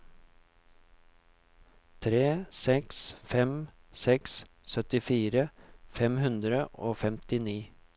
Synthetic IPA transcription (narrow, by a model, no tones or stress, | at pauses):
t̪ʰɾeːsɛksfɛm | sɛkssœt̪ɪfiːɾəfɛmhʉnd̪ɾəʔoːfɛmt̪ɪniː